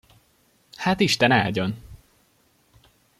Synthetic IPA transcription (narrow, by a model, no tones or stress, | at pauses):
haːt̪iʃt̪ɛna̰ːlɟøn